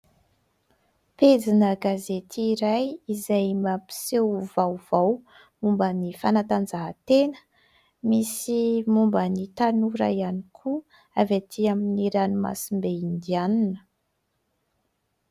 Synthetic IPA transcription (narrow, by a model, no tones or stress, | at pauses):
ped͡zinəɡazet̪ʰiːɾajizajmapi̥sewvawv̥aw | mumbənifanat̪and͡zaɦət̪enə̥ | misimumbənit̪anuɾa̰janikʰu | avet̪ʰiaminiɾanuma̰simbeind̪ianinə̥